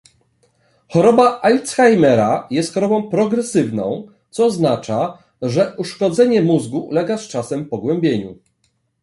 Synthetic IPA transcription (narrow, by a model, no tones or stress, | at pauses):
xɔɾɔbaʔalt̪sxajmɛɾajɛst̪xɔɾɔbɔ̃w̃pɾɔɡɾɛsɘvnɔ̰̃w̃ | t̪sɔːznat͡ʂa | ʐɛʔuʂkɔd̪zɛɲɛmuzɡulɛɡast͡ʂasɛmpɔɡwɛmbʲjeɲu